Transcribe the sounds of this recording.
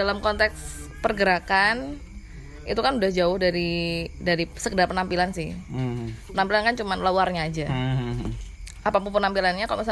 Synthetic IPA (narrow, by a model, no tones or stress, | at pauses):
alamkɔnt̪ɛkspərɡəɾakan | ḭt̪ukanudahd͡ʒaʊhdaɾidaɾisəɡədapənampilansɪh | pənampilankant͡ʃumanlawarɲaːd͡ʒa | apapʊŋpənampilanɲakalo̰misa